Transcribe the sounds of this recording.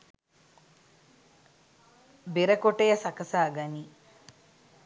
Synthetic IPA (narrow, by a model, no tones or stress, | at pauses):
biɾɐkoʈejɐsɐkɐsaːɡɐni